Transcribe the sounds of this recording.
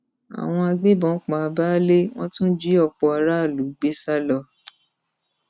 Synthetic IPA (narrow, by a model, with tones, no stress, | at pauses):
a̰˨w̃ɔ̃˧a˧ɡ͡be˦bɔ̃˨˦k͡pa˨a˧ba˦le˦w̃ɔ̃˦tũ˦d͡ʒi˦ɔ˧k͡pɔ˧a˧ɾa˦˨lu˨˦ɡ͡be˦sa˦lɔ˧